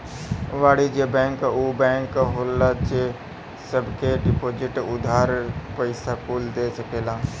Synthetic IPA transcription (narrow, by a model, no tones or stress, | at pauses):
ʋaːɽid͡ʒebɛ̃ːŋkubɛ̃ːŋkɦoːlːat͡ʃe | səbkeɖɪpoːd͡ʒɪʈʊd̪ʱaːɾpəɪsakuːld̪eːsəkeːlãː